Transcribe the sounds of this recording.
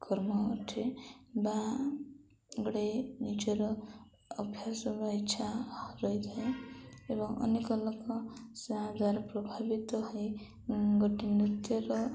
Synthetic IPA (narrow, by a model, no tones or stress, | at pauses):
kʰɔɾmɔ̰ːʈʰeba | ɡɽenid͡ʒɔɾɔː | bʱjasɔbait͡ʃʰaɾɔjd̪ʰʱaeebɔŋʌ̰nekɔlɔkɔsãd͡zaɾɔpɾɔbʱabit̪ɔɦɔj | ɡɔʈinɾit̪jɔɾɔ